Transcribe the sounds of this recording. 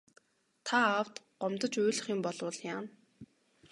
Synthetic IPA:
t̪ʰaːwt̪ɢ̥ɔmt̪ə̆t͡ɕuːɮ̆χiːmpɔɮʊ̆ɮjaːn

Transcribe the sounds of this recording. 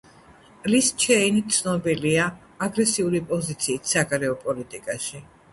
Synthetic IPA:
list͡ʃʰɛinit̪sʰnɔbiliaː | ɡɾɛsiulipʼɔzit̪sʰiːt̪ʰsaɡaɾɛɔpʼɔlit̪ʼikʼaʃi

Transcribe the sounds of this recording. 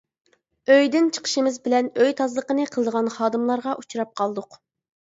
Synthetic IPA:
øjd̪ɪnt͡ʃʰə̥qʰə̥ʃɨmɪzbɪlɛnøjt̪ʰɑzlˠəqənɨqʰəlˠɨd̪əʁɑnχɑːd̪ɨmlˠɑɾʁɑʔut͡ʃʰuɾɑp̚qʰɑlˠd̪ʊq

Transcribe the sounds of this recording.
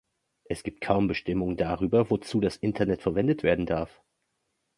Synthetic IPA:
ʔɛsɡ̥iːp̚t̚kʰaʊmbəʃtɪmʊŋədaʁ̞yːbɐvot͡suːdasʔɪntʰɐnɛtfɛɐvɛndətv̥eːɐdn̩daɐf

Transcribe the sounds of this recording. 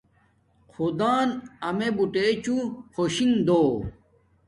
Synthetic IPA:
qʰod̪aːnɐmebuʈeːt͡ɕuxoɕiŋd̪oː

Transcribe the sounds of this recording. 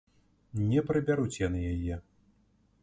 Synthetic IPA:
nʲɛpɾɐbʲaɾut͡sʲjanɨjajɛ

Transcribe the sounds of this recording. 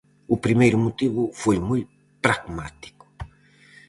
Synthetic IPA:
upɾimejɾumot̪iβʊfojmuj | pɾaɣmat̪i̥ku̥

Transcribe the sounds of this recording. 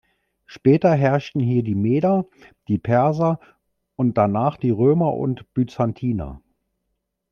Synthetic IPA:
ʃpɛːtɐɦɛɐʃtn̩ɦiːɐdiːmeːdɐ | d̥iːpʰɛɐzɐ | ʔʊnt̚d̥anaːχd̥iːʁøːmɐʔʊ̰ntb̥yt͡santʰiːna̰

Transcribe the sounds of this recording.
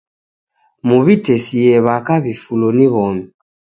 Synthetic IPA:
muβitɛsiɛβakaβifulɔniβɔmi

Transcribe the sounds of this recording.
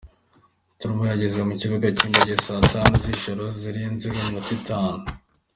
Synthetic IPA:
tuɾumujaɟezemuciβuɡaciːmbaɟesatanuziʃoɾoziɾiinziɡemmutitaːnu

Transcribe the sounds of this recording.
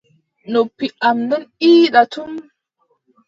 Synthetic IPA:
nopːiamdɔniːɗatum

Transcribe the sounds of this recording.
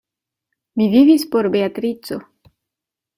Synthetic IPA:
mivʲivʲispɔɾbeat̪ɾit͡sːo

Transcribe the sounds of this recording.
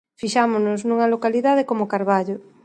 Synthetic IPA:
fiʃamonʊznũŋɐlokaliðað̞ekomokaɾβaʎo

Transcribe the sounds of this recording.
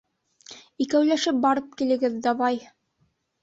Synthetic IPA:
ikæwlæʃɘp̚bɑɾɤp̚kilɘ̆ɡɘðːɑβɑj

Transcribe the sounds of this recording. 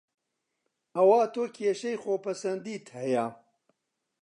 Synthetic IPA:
ɐwaːt̪ʰoːkʰeːʃɐjxoːpʰɐsɐnd̪iːt̪ʰhɐjaː

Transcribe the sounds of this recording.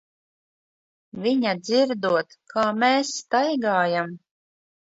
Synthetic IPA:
vʲiɲad̪ziɾd̪uɔt̪kʰaːmeːsːt̪ajɡaːjam

